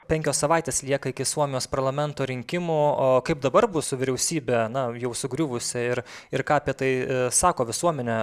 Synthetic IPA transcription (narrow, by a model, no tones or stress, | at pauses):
pʲɛŋʲkʲoːssɐʋɑˑɪt̪ʲeːslʲiɛkɐɪkʲɪsuɔmʲɪjoːspɐɾlˠɐmʲɛnt̪oːɾʲɪŋʲkʲɪmʊkɐɪp̚d̪ɐbɐɾbʊsʊʋʲɪɾʲɛʊsʲiːbʲɛnɐjɛʊsʊɡɾʲʊʋʊsʲɪɪɾɪɾkɑːɐpʲiɛt̪ɐɪsɑːkoːʋʲɪsuɔmʲɛnʲɛ